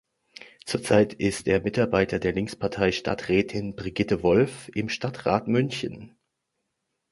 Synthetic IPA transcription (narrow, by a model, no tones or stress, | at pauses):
t͡suːɐt͡saɪtʰɪstdeːɐmɪtaɐbaɪtʰɐdeːɐlɪŋspʰaɐtʰaɪʃta̰ɐtʁ̥ɛːtʰɪnb̥ʁiɡɪtəvɔlfʔɪmʃtatʁa̰ːtmʏnçən